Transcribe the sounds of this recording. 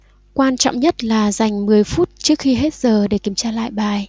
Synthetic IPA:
kwaː˧nt͡ɕɔ̰˧˨wŋ͡mɲə˦˥t̚laː˨˩za˨˩jŋ̟mɨ˨˩əjfu˦˥t̚t͡ɕɨ˦˥ək̚xi˧ɦe˦˥t̚z̥əː˨˩ɗe˨˩ki˧˩˦əmt͡ɕaː˧la̰ː˧˨jɓaː˨˩j

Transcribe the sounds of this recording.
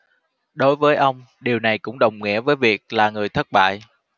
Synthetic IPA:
ɗo˨˦jvəː˨˦jʔə˧wŋ͡m | ɗi˨˩əwna˨˩jkʊ̰˧˥ŋ͡mɗə˨˩wŋ͡mŋḭ˧˥əvəː˨˦jvi˨˩ək̚laː˨˩ŋɨ˨˩əjt̪ʰə˦˥t̚ɓa̰ː˧˨jʔ

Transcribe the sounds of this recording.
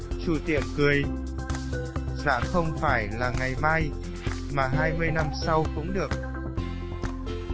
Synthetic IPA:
t͡ɕu˧˩t̪ḭ˧˩ənkɨ˨˩əj | za̰ː˧˥ŋxə˧wŋ͡mfaː˧˩jlaː˨˩ŋa˨˩jmaː˧j | maː˨˩ɦaː˧jmɨ˧əjna˧msa˧wkʊ̰˧˥ŋ͡mɗɨ˨˩ək̚

